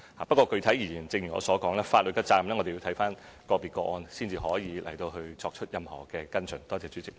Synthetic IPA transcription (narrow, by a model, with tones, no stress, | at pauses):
haː˨˩pɐ˥kɔː˧kɵ˧ɥt̪ʰɐ˨˥jiː˨˩jiː˨˩nt͡sɪ˧ŋjy˨˩ŋɔ̰ː˨˧sɔː˨˥kɔː˨˥ŋlɛː˥faː˧t̚lɵ˨t̚kːɐː˥t͡saː˧mlɛː˥ŋɔ˨˧de˨ji˧wt̪ʰjfaː˥nkɔː˧piː˨t̚kɔː˧ʔɔː˧nsiː˥nt͡siː˧ɦɔː˨˥jiː˨˧lʔɐ̰˨˩jt̪o˧wɦɵ˧ɥt͡sɔː˧k̚t͡ʃʰɵ˥t̚jɐ˨mhɔ̰ː˨˩kɛː˧kɐ˥nt͡ʃʰɵ˨˩ŋt̪ɔː˥t͡sɛː˧t͡syː˨˦˥t͡sɪ˨k̚